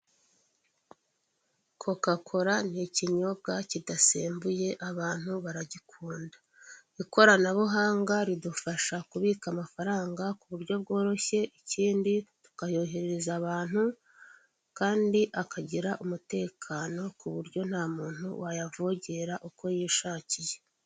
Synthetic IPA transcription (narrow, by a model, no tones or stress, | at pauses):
kʰo̞kakʰo̞ɾaniciɲo̞b̚ɡacidaseːmbuje̞ʔaβaːn̥huβaɾaɟikʰuːndḁ | iko̞ɾanaβuɦaːŋɡaɾidufaʃakuβiːkamafaɾaːŋɡakuβuɾɟjo̞bɡo̞ːɾo̞çe̞ʔiciːnditu̥kajo̞ːɦeɾeɾezaβaːn̥hu | kaːndiʔakʰaɟiɾaʔumute̞ːkʰano̞kuβuɾɟo̞n̥haːmuːn̥hṵwajavo̞ɟe̞ɾaʔuko̞jiːʃaːcije